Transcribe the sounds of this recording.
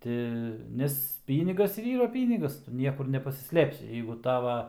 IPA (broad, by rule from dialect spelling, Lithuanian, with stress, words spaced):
ˈtʲɪ ˈnʲɛs ˈpʲiːnʲɪɡɐs ɪr ˈiːrɐ ˈpʲiːnʲɪɡɐs ˈtʊ ˈnʲiɛkʊr nʲɛpɐsʲɪˈsʲlʲeːpʲsʲɪ ˈjɛɪɡʊ ˈtɑːʋɐ